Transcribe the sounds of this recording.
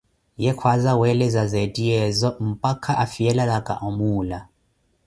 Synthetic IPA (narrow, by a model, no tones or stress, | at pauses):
jɛkʰwazawɛlɛzazɛdiɛzɔm̩pakʰaʔafiɛlalakʼa̰ʔɔmuːla